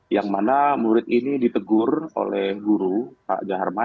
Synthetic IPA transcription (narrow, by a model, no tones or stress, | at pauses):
jaŋmanamuɾɪt̪inidit̪əɡʊro̰lɛhɡuɾupa̰ʔd͡ʒaɦarma